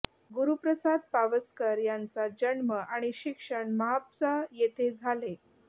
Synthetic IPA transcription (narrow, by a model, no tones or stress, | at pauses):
ɡuɾupɾəsad̪̚paʋəskəɾjant͡sad͡ʑəɳməʔaɽ̃iɕikʂəɳməɦat̪səjet̪ʰed͡zʱale